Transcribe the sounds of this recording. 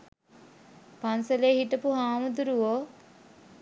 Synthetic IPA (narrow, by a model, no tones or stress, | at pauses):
pansɐleːhiʈəpuɦaːmud̪uɾuʋoː